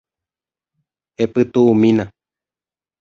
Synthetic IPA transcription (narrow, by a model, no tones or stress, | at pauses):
epɨt̪uʔːmĩnã